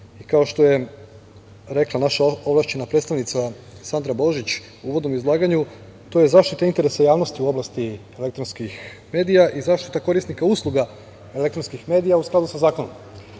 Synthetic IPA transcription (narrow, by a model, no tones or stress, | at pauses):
ikao̞ʃt̪o̞je̞ | ɾe̞klˠanaʃaoʋlˠaʃt͡ɕe̞napɾet̪st̪aʋnit̪sa | sand̪ɾabo̞ʒit͡ɕ | uuʋod̪no̞mizlˠaːɡaɲu | t̪o̞je̞zaːʃt̪it̪aint̪e̞ɾesajaːʋno̞st̪iuo̞blast̪ie̞le̞k̚t̪ɾonskix | me̞ːd̪ijaʔizaːʃt̪i̥t̪ako̞ɾisnikauslˠuɡa | e̞le̞kt̪ɾonskixme̞d̪ijausklad̪usazaːko̞no̰m